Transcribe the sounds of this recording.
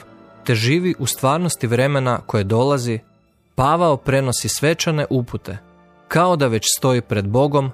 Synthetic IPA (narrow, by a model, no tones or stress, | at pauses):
t̪e̞ʒiːʋiʔust̪ʋaːɾno̞st̪iʋɾe̞me̞nako̞jed̪o̞lˠazi | paʋaopɾe̞no̞sisʋe̞t͡ʃane̞ʔuput̪ʰe̞ | kao̞d̪aʋe̞t͡ɕst̪o̞ipɾe̞d̪bo̞ɡo̞m